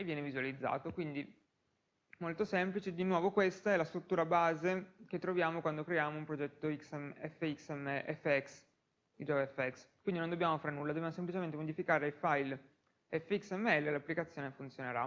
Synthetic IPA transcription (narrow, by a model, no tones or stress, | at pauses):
vjɛːnevizualid̪zːa̰ːt̪okwind̪i | molt̪osɛmplit͡ʃed̪inwɔːvokwest̪aɛlast̪ɾut̪ːuːɾabaːzek̟et̪ːɾovjaːmokwand̪okɾeaːmoumpɾod͡ʒɛt̪ːoiksɛmɛfːeiksɛmːeʔɛfːeɛks | d̪id͡ʒɔvɛfːeɛkskwind̪inond̪objaːmofaːɾnulːadobjamosemplit͡ʃement̪emod̪ifikaːɾeilfajl | ɛfːeiksɛmːeɛlːelapːlikat̪sːjoːnefunt̪sjoneɾa̰